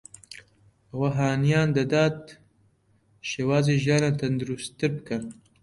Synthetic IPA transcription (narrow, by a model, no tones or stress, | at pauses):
ɐwaɦaːnijaːnd̪ɐd̪aːt̪ | ʃeːwaːzeːʒjɑːnat̪ʰɐnd̪ɨɾust̪ɨɾbɨkɐn